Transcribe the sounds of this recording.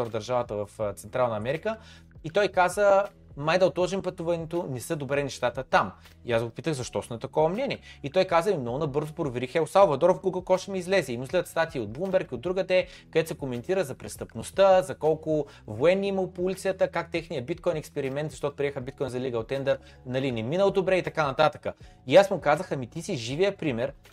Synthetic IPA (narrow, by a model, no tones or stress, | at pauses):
vd̪ɐɾʒavət̪əvɐft̪sɛnt̪ɾalˠnəɐmɛɾikə | it̪ɔjkazə | majd̪ɐlˠt̪lˠɔʒɛmpɐt̪uvɐnɛt̪onɛsəd̪obɾɛnɛʃt̪at̪ət̪am | iasɡopit̪əɣzɐʃt̪ɔsmɛt̪ɐkɔvɐmnɛnʲiɛit̪ɔjkazəmimnɔɡʊnɐbɤɾzʊpɾovɛɾixɛʊsalˠvɐd̪ɔɾofɡuɡəlˠkɔʃɛmiːzlɛzɛimuzlʲɛd̪ət̪st̪at̪iːod̪̚blˠumbɛɾkiod̪ːɾuɡəd̪ɛ | kɐd̪ɛt̪sɛkomɛnt̪iɾəzɐpɾɛst̪əpnost̪əzɐkɔlˠkʊ | voɛnːimɐlˠpulit̪sijət̪əkak̚t̪ɛxnijəbit̪̚kɔjnɛkspɛɾimɛnt̪zɐʃt̪ɔt̪ʊpɾiɛxəbit̪̚kɔjnzɐliɡəot̪ɛnd̪ɛɾ | nɐlinɛminəlˠd̪obɾɛit̪ɐkanɐt̪at̪əkə | iasmʊkazəxɐmit̪isiʒivijəpɾimɛɾ